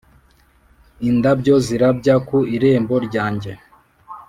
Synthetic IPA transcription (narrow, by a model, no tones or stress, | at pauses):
indabɟo̞ziɾab̚ɟakuiɾeːmbo̞ɾɟaːɲɟe̞